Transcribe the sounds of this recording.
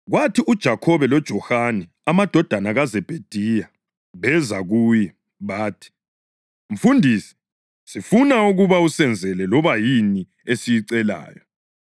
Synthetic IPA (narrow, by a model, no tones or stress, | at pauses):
ɣwatʰiʔud̥ʒ̥ʱakʰɔβɛlɔd̥ʒ̥ʱɔhanɛ | amad̥ʱɔd̥ʱanaɣazɛb̥ʱed̥ʱija | βɛzaɣuːjɛ | βaːtʰi̥ | m̩fundʱiːsɛ̥ | sifunauɣuβausɛnd͡zʱɛlɛlɔβajini | esijiǀɛla̰ːjɔ